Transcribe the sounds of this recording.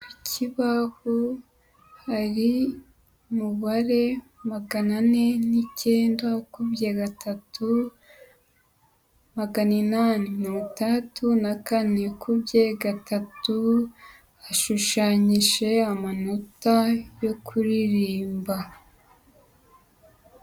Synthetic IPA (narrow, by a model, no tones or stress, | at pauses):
icʰiβaho | haɾi | muβaɾe̞ | maɡanane̞niceːndakubɟeɡatʰatʰu | maɡaninaninomutatunakane̞kubjeɡatʰatu | aʃuʃaɲiʒe̞amano̞tajo̞kʰuɾiɾiːmba